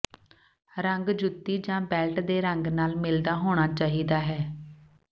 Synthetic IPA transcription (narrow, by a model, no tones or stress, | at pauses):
ɾəŋɡd͡ʒʊt̪ːiːd͡ʒãːbɛːlʈd̪eːɾəŋɡnaːlmɪld̪aːɦoːɽ̃aːt͡ʃaːɦiːd̪aːɦɛː